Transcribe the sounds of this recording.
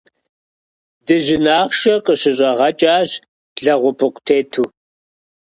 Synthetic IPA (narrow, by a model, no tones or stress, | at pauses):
dɨʒɪnaːχʃɐqʼəɕɪɕʼɐʁɐt͡ʃʼaːʑ | ɮɐʁʷʊpʰɨqʷʼtʰeːtʰuː